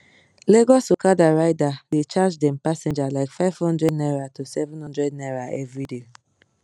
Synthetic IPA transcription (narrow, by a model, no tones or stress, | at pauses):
leɡɔsokadaɾaɪdadet͡ʃad͡ʒdɛ̃m̩pasẽd͡ʒalaɪkfaɪv̥hɔ̃ndɾɛdnɛɾatosɛvɛ̃nhɔ̃ndɾɛdnɛɾaʔɛvɾide